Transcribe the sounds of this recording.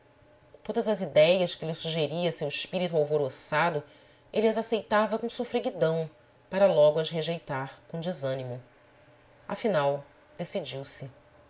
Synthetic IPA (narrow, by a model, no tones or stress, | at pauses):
t̪od̪ɐzɐzid̪ɛjɐʃkɪlɪsuʒeɾiɐsewiʃpiɾit̪uawvoɾosad̪ʊ | eliɐzasejt̪avɐkõsofɾeɡid̪ɐ̃w̃ | paɾɐlɔɡʊɐzɦeʒejt̪aɾkõd͡ʒizɐ̃nimʊ | a̰finaw | d̪̥esid͡ʒiwsɪ